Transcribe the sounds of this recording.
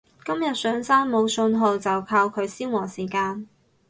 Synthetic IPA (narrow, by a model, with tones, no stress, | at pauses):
kɐ˥mjɐ˨t̚sœː˨˧ŋsaː˥nmo˨˧wsɵ˧nɦo˨wt͡sɐ˨wkʰaː˧wkʰɵ˨˧ɥsiː˥wwɔː˨˩siː˨˩kaː˧n